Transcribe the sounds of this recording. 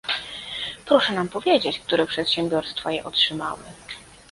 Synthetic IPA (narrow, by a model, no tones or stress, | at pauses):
pɾɔʂɛnampɔvʲjed͡ʑet͡ɕk̚t̪uɾɛpʂɛt̪ɕɛmbʲjɔɾst̪fajɛʔɔtʂɘma̰wɘ̰